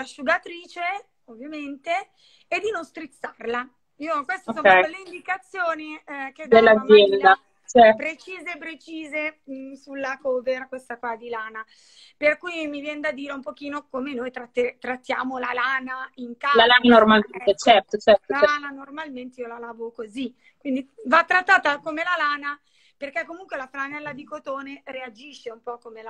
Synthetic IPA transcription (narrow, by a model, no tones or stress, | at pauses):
laʃuɡat̪ɾiːt͡ʃe | ovːjament̪eː | d̪ːinonst̪ɾit̪sːarla | iːokwest̪eoksoɛjleind̪ikat̪sːjoːniked̪d̪elːazzːjɛnd̪a | t͡ʃɛpɾet͡ʃiːzepɾet͡ʃiːzesulːakɔːverkwest̪akwad̪ilaːna | perkuːjmivjɛnd̪ad̪iːɾeumpok̟iːnokomenojt̪ɾat̪ːet̪ɾat̪ːja̰ːmolalaːnaiŋkalalananormalment̪et͡ʃɛrt̪ot͡ʃɛrt̪oaananormalment̪eiolalaːvokozi | kwind̪ivat̪ːɾat̪ːaːt̪akomelalaːna | perk̟ekːomuŋkwelafɾanɛlːad̪ikot̪oːneread͡ʒiʃːeumpɔkːomela